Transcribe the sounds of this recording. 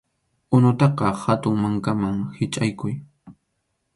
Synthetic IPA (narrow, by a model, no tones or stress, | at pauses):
ʊnʊt̪ɑqɑhat̪ʊŋmaŋkamaŋhɪt͡ʃʼajkʊj